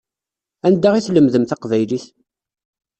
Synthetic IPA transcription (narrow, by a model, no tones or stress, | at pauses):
ænd̪ːaʁiθləmðəmθɑqvæjliθ